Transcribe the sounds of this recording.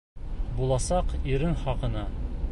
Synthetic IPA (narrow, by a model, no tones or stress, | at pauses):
bulˠɑsɑqiɾɘɴχɒqɤ̆nɑ